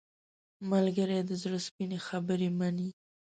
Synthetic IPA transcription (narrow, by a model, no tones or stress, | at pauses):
malɡəɾed̪əzɾəspinexabəɾemani